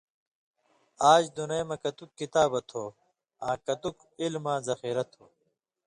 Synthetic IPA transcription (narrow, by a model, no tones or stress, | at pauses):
aːd͡ʑd̪unɐjmɐkɐt̪ukːit̪aːbɐt̪ʰoː | ãːkɐt̪uk | ilmãːzɐxiːɾɐt̪ʰoː